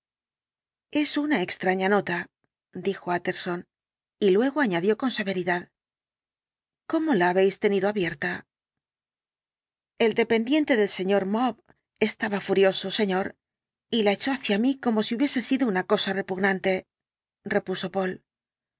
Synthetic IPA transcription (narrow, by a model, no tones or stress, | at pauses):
e̞sunaekst̪ɾaɲano̞t̪a | d̪ixo̞at̪e̞ɾso̞n | ilwe̞ɣ̞o̞aɲaðjo̞ko̞nse̞βe̞ɾiðað | ko̞mo̞laːβe̞jst̪e̞niðo̞aβje̞ɾt̪a | e̞ld̪e̞pe̞nd̪je̞nt̪e̞ðe̞lse̞ɲo̞ɾmoβ | e̞st̪aβafuɾjo̞so̞se̞ɲo̞ɾ | ilae̞t͡ʃo̞aθjamiko̞mo̞siuβje̞se̞siðounako̞sare̞puɣnant̪e̞ | re̞puso̞po̞l